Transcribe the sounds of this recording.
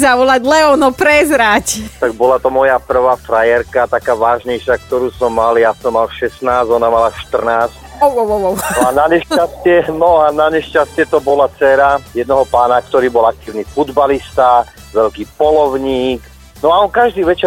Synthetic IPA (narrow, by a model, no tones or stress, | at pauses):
zaʋɔlaɟlɛɔnɔpɾɛzɾact̪aɡ̚bɔlat̪ɔmɔjapr̩ʋaːfɾajɛɾkat̪akaːʋaːʒɲɛjʃak̚t̪ɔɾuːsɔmːaljasɔmːalʃɛsnaːzɔnamalaʃt̪r̩naːscɔɔɔɔɔanaɲɛʃcastɪɛnɔanaɲɛʃcast̪ɪɛt̪ɔbɔlat͡sɛɾajɛd̪nɔɦɔpaːnakt̪ɔɾiːbɔlak̚t̪iːʊnifud̪balist̪a | ʋɛʎkiːpɔlɔʊɲiːk | nɔaɔnkaʒd̪iːʋɛt͡ʃɛ